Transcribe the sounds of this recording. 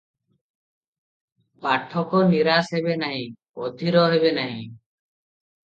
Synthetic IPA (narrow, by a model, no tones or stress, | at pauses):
paʈʰːɔkɔniɾasɦebenaɦĩ | o̰d̪ʱiɾɔɦeβenaɦḭ̃